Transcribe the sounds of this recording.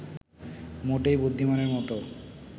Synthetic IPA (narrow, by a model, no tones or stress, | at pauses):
moʈejbod̪ʱːimaneɾmɔt̪o